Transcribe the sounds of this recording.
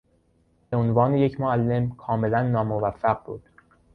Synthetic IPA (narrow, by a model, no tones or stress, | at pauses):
beonvɒːneje̞cʰmoælːe̞mkʰɒːme̞lænːɒːmovæfːæɢ̚bṵːd̪̥